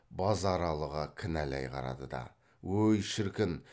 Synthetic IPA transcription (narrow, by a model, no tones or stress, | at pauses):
bɑzɑɾɑlˠəʁɑkʲʰɪnælæ̰jqʰɑ̰ɾɑ̰d̪əd̪ɑ̰ | wɵjʃɪɾkʲɪn